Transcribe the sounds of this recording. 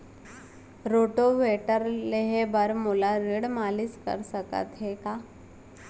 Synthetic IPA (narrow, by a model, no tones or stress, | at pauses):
ɾoʈoʋeʈəɾleɦebəɾmulaɾiɽmaliskə̰ɾsəkə̰t̪ɦeka